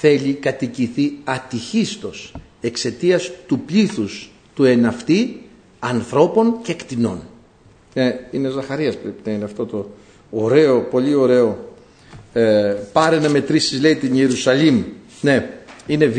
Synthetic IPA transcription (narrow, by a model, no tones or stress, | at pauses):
θe̞ʎikɐt̪iciθiɐt̪içist̪o̞s | e̞kse̞t̪iɐst̪upʎiθus | t̪ue̞nɐft̪i | ɐnθɾo̞po̞ncekt̪ino̞̰n | neine̞zɐxɐɾiɐspɾepinɐineɐft̪o̞t̪o̞ː | ɾe̞o̞po̞ʎio̞ɾe̞o̞ | pɐɾenɐme̞t̪ɾisizle̞it̪ineɾusɐlim | ne̞ine̞v